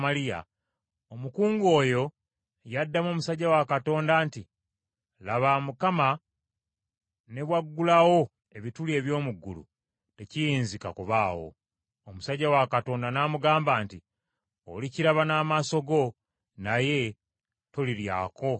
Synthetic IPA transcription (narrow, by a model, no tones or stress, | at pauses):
malija̰ | omukuːŋɡo̞ːjo̞ | jadːamoːmusaɟːawakato̞ːndaːnti | laβamukama | ne̞βwaɡːulawo̞ | e̞βitulie̞ːβjo̞ːmuɡːulṵ | te̞cijiːnzikakuβaːwo̞̰ | omusaɟːawakato̞ːndanaːmuɡaːmbaːnti | oliciɾaβanaːmaso̞ɡo̞ | naje̞ | to̞liɾja̰ːkʰo̞